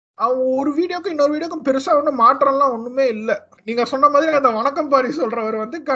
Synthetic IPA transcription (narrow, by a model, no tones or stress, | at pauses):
ɐʋɐ̃ŋɡɐɔɾɯʋiːɽɪjokːʊ̃ɪnːɔɾɯʋiːɽɪjɐkːʊ̃pɛɾɯsaːʋɐnːɯmaːʈːɾɐ̃lãːɔnːɯmeːɪlːɛ | niːŋɡɐsɔnːɐmaːðɪɾiaːɐnd̪ɐʋɐɳɐkːɐmpaːɾisɔlɾɐʋɐɾʋɐnd̪ɯkɐ